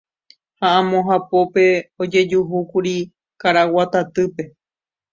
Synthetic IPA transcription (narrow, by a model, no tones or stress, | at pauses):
haãmõɦapo̞pe̞od͡ʒe̞d͡ʒuɦukuɾi | kaɾawat̪at̪ɨpe̞